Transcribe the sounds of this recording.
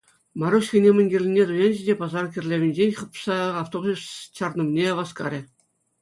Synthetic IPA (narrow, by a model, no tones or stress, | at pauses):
mɑɾuɕxʲɘ̆nʲemʲɘ̆nʲɡʲĕrʲlʲinʲːet̪ujenʲʑɘ̆dʲepɑzɑrkʲɘrʲlʲeʋʲɘ̆nʲd͡ʑenʲχɤ̆psɑɑft̪oblʲust͡ɕɑrnɤ̆mnʲeʋɑskɑ̰ɾʲɘ̆